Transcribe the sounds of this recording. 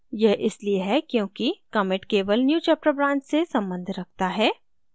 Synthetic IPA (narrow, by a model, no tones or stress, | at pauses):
jɛɦʔɪslieɦɛkjõːkikɐmɪʈkeːʋəlnjuːt͡ʃɛːp̚ʈəbɾãːnt͡ʃsesɐ̃mbə̃nd̪ʱɾɐk̚ʰt̪aɦɛː